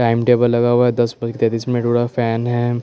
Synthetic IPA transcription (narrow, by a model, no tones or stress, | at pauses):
ʈaːɪmʈeːbəlːɐɡawaɛd̪ɐsbɐd͡ʒket̪eːt̪iːsmẽʈoːɽafɛːnɦɛ